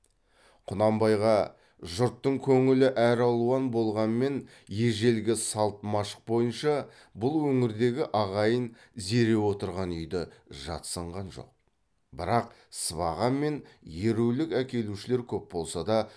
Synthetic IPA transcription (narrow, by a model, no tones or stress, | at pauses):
qʰʊnɑmbɑjʁɑ | ʒʊɾt̪ːəɴkʲʰɵŋɪlɪʔæɾɑlˠuɑnbo̞lˠʁɑnme̞n | je̞ʒe̞lɡʲɪsɑlˠt̪mɑʃə̥q̚bo̞jənʃɑ | bʊlˠwɵŋɪɾd̪e̞ɡʲɪʔɑʁɑjən | ze̞ɾe̞wo̞t̪əɾʁɑnʏjd̪ɪʒɑ̰t̪səɴʁɑnʒo̞̰q̚ | bɪɾɑq̚ | səβɑ̰ʁɑnme̞nje̞ɾuwlɪkækʲe̞luʃɪle̞ɾkʲʰɵp̚bo̞lˠsɑd̪ɑ